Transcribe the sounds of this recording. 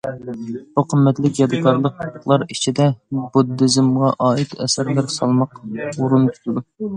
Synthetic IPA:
b̥uqʰəmːɛt̪lɪkʲjɑd̪ɨkʰɑɾlˠəqəχlˠɑɾit͡ʃʰid̪ɛbud̪ːɪzɪmʁɑʔɑːit̪ɛ̰sæɾlæɾsɑlˠmɑquɾunkʲʰy̥t̪ʰɪd̪u

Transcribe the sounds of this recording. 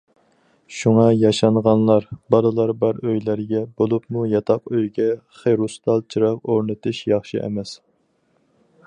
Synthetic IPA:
ʃuŋɑjɑʃɑnʁɑnlˠɑɾbɑɾɨlˠɑɾbæɾøjlæɾɡʲɛbolˠupmujɑt̪ʰɑqøjɡʲɛ | χeɾust̪ɑlˠt͡ʃʰiɾɑqoɾnɨt̪ʰɨʃjɑχʃiʔɛ̰mɛs

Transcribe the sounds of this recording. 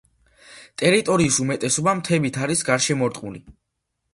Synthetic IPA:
t̪ʼɛɾit̪ʼɔɾiːsumɛt̪ʼɛsɔbamt̪ʰɛbit̪ʰaɾisɡaɾʃɛmɔɾt̪ʼqʼuli

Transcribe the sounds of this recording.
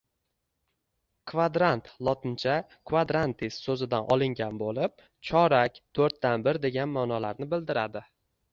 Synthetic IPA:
kʰvad̪ɾant̪lˠɒt̪ʰɪnt͡ʃʰa | kʰvad̪ɾant̪ʰissɵzɪd̪anʔɒlˠɪŋɡʲanbolɪp̚ | t͡ʃʰɒɾakʲt̪ʰɵɾt̪ːanbɪɾd̪e̞ɡʲanmaːnɒlaɾnɪbɪld̪ɪɾad̪ɪ

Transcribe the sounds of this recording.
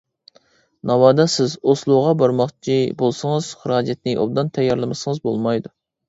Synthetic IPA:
nɑwɑːd̪ɑsɪzoslˠuʁɑbɑɾmɑχt͡ʃʰibolˠsɨŋɨz̥χəɾɑːd͡ʒɛt̪̚nɪʔo̰b̚d̪ɑnt̪ʰɛjːɑɾlˠɨmɨsɨŋɨzbolˠmɑjd̪u

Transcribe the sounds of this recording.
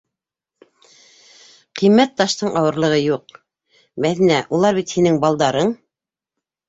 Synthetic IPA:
qĭjmːæt̪ːɑʃt̪ɤɴʔɑwɤ̆ɾlˠɤ̆ʁɤjuq | mæðinæʔulˠɑɾβit̪hinɘŋbɑlˠd̪ɑɾɤɴ

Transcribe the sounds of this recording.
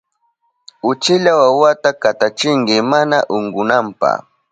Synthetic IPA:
ʊt͡ʃɪʎawawat̪akat̪at͡ʃɪŋɡɪmanaʔʊŋɡʊnampa̰χ

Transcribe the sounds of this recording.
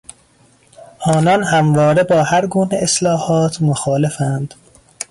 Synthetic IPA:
ʔɒːnɒnhæmvɒːɾe̞bɒːhæɾɡuːneʔeslɒːhɒːt̪ʰmoxɒːle̞fænd̪̥

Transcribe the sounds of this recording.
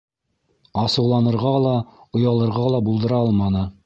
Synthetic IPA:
ɑsɤ̆wlˠɑnɤ̆ɾʁɑlˠɑŏjɑlˠɤ̆ɾʁɑlˠɑbulˠd̪ɤ̆ɾɑɑlˠmɑnɤ

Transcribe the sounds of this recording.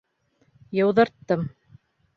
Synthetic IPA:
jɤ̆wðɤ̆ɾt̪ːɤm

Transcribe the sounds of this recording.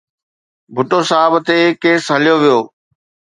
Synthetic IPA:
bʱʊʈosabt̪ekeːsɦɐlijoʋijoː

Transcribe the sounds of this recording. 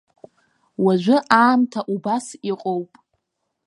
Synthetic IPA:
waʒʷɪʔaːmtʰaʔubasiqʼowpʼ

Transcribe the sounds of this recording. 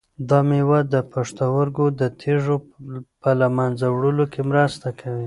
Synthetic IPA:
d̪ɑmewad̪əpaʂt̪awaɾɡod̪ət̪ʰeʐopəlamanzawɽəlokʰemɾast̪akʰawi

